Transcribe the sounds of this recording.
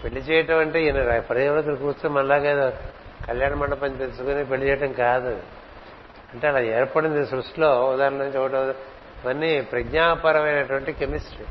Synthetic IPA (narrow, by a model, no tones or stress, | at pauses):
peɭːit͡ʃɛːjɐʈɐmɐɳʈeːinɐpɐɾɐɐʋɐɾɐk̪ulukuːɾtumɐnlaːɡa | kɐljaːɳɐmɐɳːɐpɐnt͡ʃit̪elsukunipeɭːit͡ʃɛːjɐʈɐmkaːd̪u | ɐɳʈe̞ːɐlaːɛːɾpɐɽind̪isɾusʈloːud̪aːɾɐɳɐŋt͡ʃuʋɐʈɐm | ʋɐnːipɾɐɡɲaːpɐɾɐmɐjnɐʈuʋɐɳʈikemisʈɾi